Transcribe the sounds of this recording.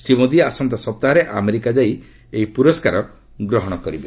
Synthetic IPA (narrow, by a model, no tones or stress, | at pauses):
sɾimod̪iasɔnt̪asɔp̚t̪aɦɔɾeʔameɾikad͡ʒaj | eipuɾɔskaɾɔ | ɡɾɔɦɔɽ̃ɔkɔɾibe